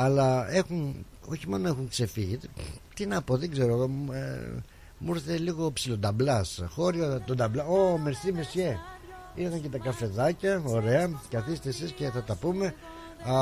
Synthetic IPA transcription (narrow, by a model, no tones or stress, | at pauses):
ɐlɐe̞xun | o̞çimo̞no̞exuŋkse̞fiʝit̪t̪inɐpo̞ðeɡze̞ɾo̞ḛ | muɾθeliɣo̞psilod̪ɐblɐsxo̞ɾiot̪od̪ɐblɐomeɾsimesçe | iɾθɐŋce̞t̪ɐkɐfe̞ðɐcɐo̞ɾe̞ɐkɐθist̪esisce̞θɐt̪ɐpume̞